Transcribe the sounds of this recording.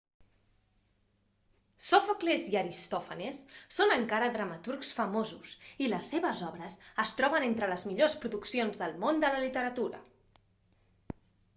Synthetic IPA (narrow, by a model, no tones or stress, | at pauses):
sofakleziəɾist̪ɔfənesːonəŋkaɾəðɾəmət̪urksfəmozusiləsːeβəzɔβɾəsəst̪ɾɔβənent̪ɾələzmiʎospɾuðuksionzðəlˠmond̪ələlit̪əɾət̪uɾə̰